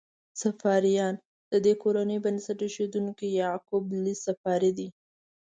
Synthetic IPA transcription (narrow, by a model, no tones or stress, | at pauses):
safɑɾijɑn | d̪̥əd̪ekoɾanəjbənsaʈeʃed̪uŋkijɑkʊblisafɑɾid̪i